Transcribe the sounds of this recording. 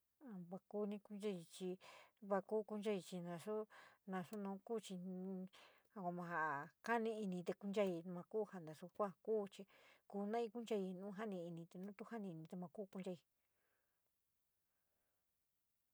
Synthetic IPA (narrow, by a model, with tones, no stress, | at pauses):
a˧βa˧ku˧˦nĩ˧ku˦nd͡ʒa˧i˧t͡ʃi˧βa˧ku˦ku˧nd͡ʒa˧i˧t͡ʃi˧nã˧ʂu˦nã˧ʂu˦nũː˧˦kuː˦t͡ʃi˧ | a˧kʷa˧mã˧ɦa˧ʔka˦nĩ˧i˧nĩ˧t̪e˧ku˧nd͡ʒa˦˧ĩ˧mã˧kuː˦ha˧nd̪a˨ʂu˧kʷa˦kuː˦t͡ʃi˧kuː˧˨nã˦ĩ˧ku˦nd͡ʒa˧i˧nũː˦ɦa˦nĩ˧i˧nĩ˧t̪e˧nũː˦t̪u˧˦ha˦nĩ˧i˧nĩ˧t̪e˧mã˧kuː˦ku˧nd͡ʒa˧i˧